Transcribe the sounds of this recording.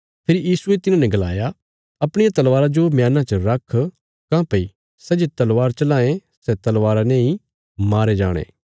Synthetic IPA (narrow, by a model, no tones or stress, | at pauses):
pʰeːɾijiːsuet̪ɪnãːnɛ̃ɡɐla̰ːja | ɐpɽ̃ɪjat̪ɐlʋaːɾad͡ʒomjaːnãt͡ʃəɾɐkʰ | kãːpɐi | sɛd͡ʒet̪ɐlʋaːɾt͡ʃɐlaːẽsɛt̪ɐlʋaːɾaneĩ | maːɾed͡ʒa̰ːɽ̃ḛː